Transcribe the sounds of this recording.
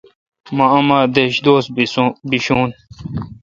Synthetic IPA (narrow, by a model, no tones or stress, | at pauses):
mɐɐmaːd̪eɕd̪oːsbiɕuːn